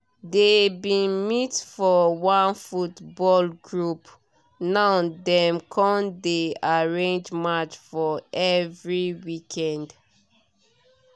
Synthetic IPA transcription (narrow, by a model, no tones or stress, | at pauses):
debĩnmitfɔwãnfutbɔlɡɹup | naʊdɛ̃mkʰɔ̃ndeaɹẽnd͡ʒmat͡ʃfɔʔɛvɹiwikʰɛ̃nd